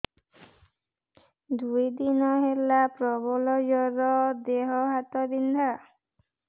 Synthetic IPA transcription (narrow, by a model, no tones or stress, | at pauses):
d̪ujd̪inɔɦelapɾɔbɔlɔd͡ʒɔɾɔd̪eɦɔɦat̪ɔbind̪ʱa